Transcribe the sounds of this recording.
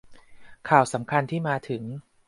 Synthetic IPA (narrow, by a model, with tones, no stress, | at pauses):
kʰaː˨˩wsa˩˦mkʰa˧nt̪ʰiː˥˩maː˧t̪ʰɯ˩˦ŋ